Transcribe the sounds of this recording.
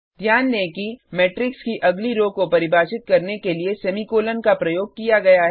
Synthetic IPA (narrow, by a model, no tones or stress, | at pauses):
d̪ʱjaːnːẽkimɛːʈɾɪkskiʔɐɡliɾoːɡ̚kopɐɾɪbaːt͡ʃɪt̪̚kɐɾnekeliesɐmikoːlənkapɾɐjoːɡ̚kijaɡɐjaɦɛ